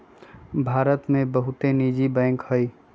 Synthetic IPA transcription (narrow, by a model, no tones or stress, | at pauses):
bʱaːɾət̪mẽbəɦut̪enid͡ʒibɛ̃ːŋkhəj